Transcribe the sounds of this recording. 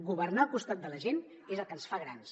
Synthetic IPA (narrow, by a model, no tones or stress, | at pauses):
ɣuβərnalkust̪at̪̚d̪ələʒen | ezəlˠkənsfaɣɾans